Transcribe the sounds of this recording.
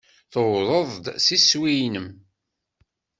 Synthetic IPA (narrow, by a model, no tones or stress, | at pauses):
θəwðˤəðˤd̪siswijnəm